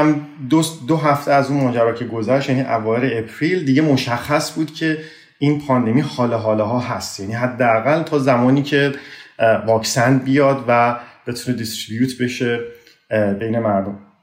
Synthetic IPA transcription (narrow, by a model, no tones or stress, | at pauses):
md̪osd̪oɦæft̪ʰeæzunmɒːd͡ʒæɾɒːcʰe̞ɡo̞zæʃt̪jæniʔævɒːjeɾeepʰɾiːld̪iːɡe̞mo̞ʃæxːæsbuːd̪̥cʰe̞ | iːnpʰɒːnd̪e̞mihɒːleɦɒːleɦɒːɦæst̪jæniːɦæd̪ːeæɣælt̪ʰɒːzæmɒːniːcʰe̞ | vɒːksænd̪bijɒːd̪væbe̞t̪ʰuːne̞d̪ist̪ɾibjuːt̪ʰbe̞ʃe̞ | bejne̞mæɾd̪o̞m